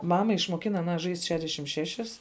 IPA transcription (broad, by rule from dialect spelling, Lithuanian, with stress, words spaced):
ˈmɑːmɐ ɪʃmuɔˈkʲɪnɐ ɐˈnɐ ʒɐɪsʲtʲ ˈʃʲæːdʲɛʃʲɪm ˈʃʲæːʃʲɪs